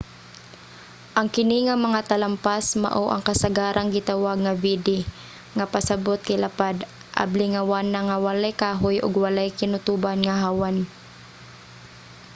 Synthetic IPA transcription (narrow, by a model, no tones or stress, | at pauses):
ʔɐŋkɪnɪŋamɐŋat̪ɐlampasma̰ʔoʔɐ̰ŋkasaɡaːɾaŋɡɪt̪awaɡ̚ŋavid̪ɪ | ŋapasabot̪̚kaɪlapad̪ | ʔa̰blɪŋawaːnaŋawalajkaːɦʊjʔʊ̰ɡwalajkɪnʊt̪uːbanŋaɦaːwan